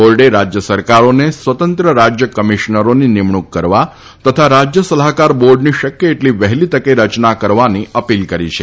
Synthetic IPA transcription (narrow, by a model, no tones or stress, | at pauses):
olɖeɾad͡ʒjəsəɾkaɾonesʋət̪ə̃nt̪ɾəɾad͡ʒjəkəmiʃnəɾoninimɳukːəɾʋa | t̪ət̪ʰaɾad͡ʒjəsəlakaɾboɾɖniʃəkjəeʈliʋəɦlit̪əkeɾət͡ʃnakəɾʋaniʔəpilkəɾḭt͡ʃʰe